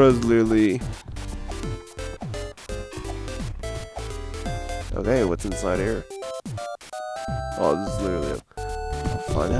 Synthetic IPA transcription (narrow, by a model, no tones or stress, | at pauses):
ʌzlɪə˞l̩ˠi | ʔo̰ʊkʰeɪwʌtsɨ̃nsaɪɾ̚hiɹ | o̰ðʌzlɪɾə˞lˠḭo̰ | fã̰ɪ̃n